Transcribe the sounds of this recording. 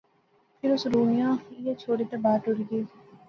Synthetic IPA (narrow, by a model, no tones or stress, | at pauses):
pʰɪɾʊsɾuːnɪjãːjet͡ʃʰoːɽiːt̪ɐbaːʈʊɾɡeː